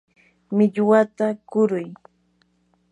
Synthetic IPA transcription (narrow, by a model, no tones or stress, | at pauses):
mɪʎwat̪akʊɾʊj